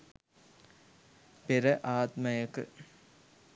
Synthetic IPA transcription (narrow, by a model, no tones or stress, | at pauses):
peɾɐʔaːt̪mɐjəkɨ̰